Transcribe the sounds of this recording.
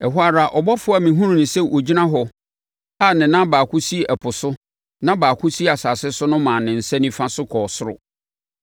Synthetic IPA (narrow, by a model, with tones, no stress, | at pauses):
ɛ˨ɦu˦a˦ɾa˨ʔɔ˨bɔ˦fʊ˦a˨mĩ˨ɦũ˦ɾũ˨nʊ̃˨sɛ˦ʔo˨d͡ʑi˦nã˦ɦɔ˨ | a˦˨nɪ̃˨nã˦baː˨kʰʊ˦si˦æ˨pʰʊ˨sʊ˦ | nã˦baː˨kʰʊ˦si˦a˨saː˨sɪ˦sʊ˦nʊ̃˦mãː˨nɪ̃˨n̩˨sɛ̃˦nĩ˦fã˦sʊ˦kʰɔː˨sʊ˦ɾʊ̰˨